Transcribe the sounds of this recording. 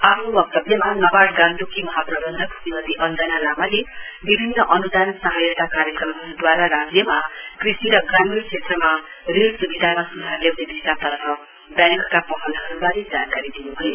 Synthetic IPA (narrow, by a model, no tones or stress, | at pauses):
apʰnubʌk̚t̪ʌbjemanʌbaɽɡanʈ̪ukimʌɦaprʌbʌnd̪ʱʌkut̪inʌd̪iʔʌnd͡zanalamale | bibʱinːʌʔʌnud̪ansʌɦajʌt̪akaɾjʌkrʌmɦʌud̪waɾaɾad͡zjʌmakrisiɾʌɡramirt͡sʰet̪rʌma | rilsubid̪ʱamasud̪ʱarlewnebisat̪ʌɾpʰʌ | bjãŋkkapʌɦʌnd̪ʱʌɾubaled͡zankaɾid̪inubʱʌjo